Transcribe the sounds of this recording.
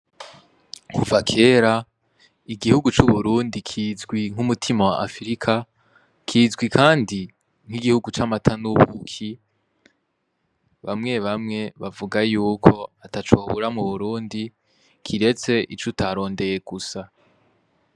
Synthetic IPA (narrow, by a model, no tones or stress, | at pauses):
kʰuvakʰe̞ːɾa | iɡihuɡut͡ʃuβuɾuːndikʰiːzɡwiŋ̥humutʰimawaʔafɾikʰa | kʰiːzɡwikʰaːndi | ŋ̥hiɡihuɡut͡ʃamatʰanuβṵkʰi | βa̰mŋe̞βamŋe̞βavuɡajuːkʰo̞atat͡ʃoβuɾamuβuɾuːndi | kʰiɾe̞t͡se̞ʔit͡ʃutʰaɾo̞ːnde̞je̞ɡ̥usa